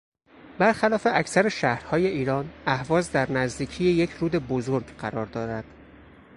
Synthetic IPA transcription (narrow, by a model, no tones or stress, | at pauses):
bæɾxælɒːfe̞ʔæcʰsæɾeʃæhɾhɒːje̞ʔiːɾɒːnæhvɒːzd̪æɾnæzd̪iːcʰijejecʰɾuːd̪e̞bozoɾɡɢæɾɒːɾd̪ɒːɾæd̪̥